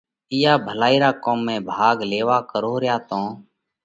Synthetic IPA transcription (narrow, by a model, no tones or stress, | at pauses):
ɪjaːbʱəlaːiːɾaːkoːmːẽːbʱaːɡleːʋaːkəɾoːɾɪjaːt̪õː